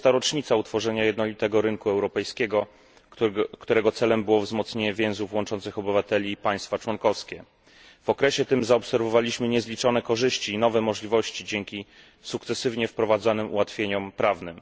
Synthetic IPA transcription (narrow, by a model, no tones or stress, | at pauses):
t̪aɾɔt͡ʂɲit̪saut̪fɔʐɛɲajɛd̪nɔlʲit̪ɛɡɔɾɘŋkuɛwɾɔpɛjskʲeɡɔ | kt̪uɾɛɡɔt̪sɛlɛmbɘwɔvzmɔt̪sɲeɲɛvʲjɛ̃w̃zufwɔnt͡ʂɔnt̪sɘxɔbɘvat̪ɛlʲiːpaj̃st̪fat͡ʂwɔnkɔfskʲɛ | v̥ɔkɾɛɕɛt̪ɘmzaɔpsɛɾvɔvalʲiɕmɘɲɛzlʲit͡ʂɔnɛkɔʐɘɕt͡ɕiːnɔvɛmɔʐlʲivɔɕt͡ɕid͡ʑɛŋkʲi | sukt̪sɛsɘvɲɛfpɾɔvad̪zanɘmṵwat̪fʲjeɲɔmpɾavnɘm